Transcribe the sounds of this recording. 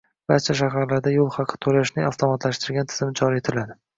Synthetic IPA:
b̥aɾt͡ʃʰaʃ̬aɦaɾlaɾd̪ajolˠχɑqʰːɨ̥t̪ʰolaʃnɪŋaft̪ʰomat̪ʰlaʃt̪ɪɾɡʲant̪ʰɪ̥zɪmɪd͡ʒʰɒɾie̞t̪ʰɪlad̪ɪ

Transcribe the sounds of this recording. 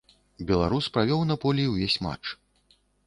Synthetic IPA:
bʲɛlˠa̰ɾuspɾavʲɔwnapɔlʲiiwvʲesʲma̰t͡ʂ

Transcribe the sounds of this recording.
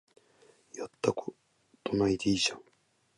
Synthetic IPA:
jat̪ːakɯ̥ | t̪onait̪eiɕaŋ

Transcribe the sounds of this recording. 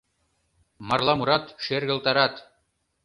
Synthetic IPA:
mɑrlˠɑmuɾɑt̪ʃerɡɘ̆lˠt̪ɑɾɑt̪

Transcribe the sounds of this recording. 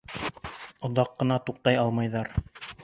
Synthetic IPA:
ŏðɑqːɤ̆nɑt̪uq̚t̪ɑjɑlˠmɑjðɑɾ

